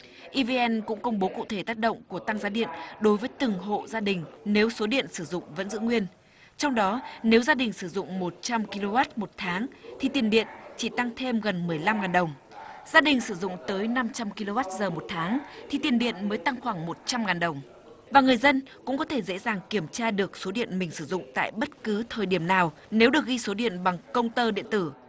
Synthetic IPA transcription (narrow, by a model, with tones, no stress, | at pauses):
ʔi˧vi˧ʔɛ˧nkʊ̰˧˥ŋ͡mkə˧wŋ͡mɓo˨˦kṵ˧˨t̪ʰe˧˩t̪aː˦˥t̚ɗə̰˧˨wŋ͡mku˧˩ət̪a˧ŋzaː˨˧˦ɗḭ˧˨ənɗo˨˦jvəː˨˦jt̪ɨ˨˩ŋɦo̰˧˨zaː˧ɗï˨˩ŋ̟ne˨˦wso˨˦ɗḭ˧˨ənsɨ˧˩zʊ̰˧˨ŋ͡mvə̰˧˥nzɨ̰˧˥ŋwi˧ən | t͡ɕɔ˧wŋ͡mɗɔ˨˦ne˨˦wzaː˧ɗï˨˩ŋ̟sɨ˧˩zʊ̰˧˨ŋ͡mmo˨˩t̚t͡ɕa˧mki˧lo˧vaː˦˥t̚mo˨˩t̚t̪ʰaː˨˦ŋt̪ʰi˨˩t̪i˨˩ənɗḭ˧˨ənt͡ɕi˧˩t̪a˧ŋt̪ʰe˧mɣə˨˩nmɨ˨˩əjla˧mŋaː˨˩nɗə˨˩wŋ͡m | z̥aː˧ɗï˨˩ŋ̟sɨ˧˩zʊ̰˧˨ŋ͡mt̪əː˨˦jna˧mt͡ɕa˧mki˧lo˧vaː˦˥t̚zəː˨˩mo˨˩t̚t̪ʰaː˨˦ŋt̪ʰi˨˩t̪i˨˩ənɗḭ˧˨ənməː˨˦jt̪a˧ŋxwaː˧˩ŋmo˨˩t̚t͡ɕa˧mŋaː˨˩nɗə˨˩wŋ͡m | vaː˨˩ŋɨ˨˩əjzə˧nkʊ̰˧˥ŋ͡mkɔ˨˦t̪ʰe˧˩zḛ˧˥zaː˨˩ŋki˧˩əmt͡ɕaː˧ɗɨ˨˩ək̚so˨˦ɗḭ˧˨ənmï˨˩ŋ̟sɨ˧˩zʊ̰˧˨ŋ͡mt̪a̰ː˧˨jɓə˦˥t̚kɨ˨˦t̪ʰəː˨˩jɗi˧˩əmnaː˨˩w | ne˨˦wɗɨ˨˩ək̚ɣi˧so˨˦ɗḭ˧˨ənɓa˨˩ŋkə˧wŋ͡mt̪əː˧ɗḭ˧˨ənt̪ɨ˧˩